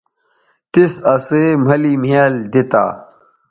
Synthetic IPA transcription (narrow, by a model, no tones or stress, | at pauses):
t̪isɐseːm̤ɐliːmeːld̪it̪a̰ː